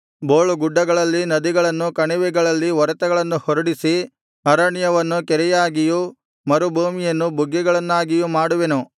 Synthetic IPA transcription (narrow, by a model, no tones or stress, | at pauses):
boːɭuɡuɖːɐɡɐɭɐlːinɐd̪iɡɐɭɐnːukɐɳiʋɛɡɐɭɐlːiʋɐɾɐt̪ɐɡɐɭɐnːuhoɾɐɽisi | ɐɾɐɳjɐʋɐnːukɛɾɛjaːɡiju | mɐɾubʱuːmijɐnːubuɡːɛɡɐɭɐnːaːɡijumaːɽuʋenu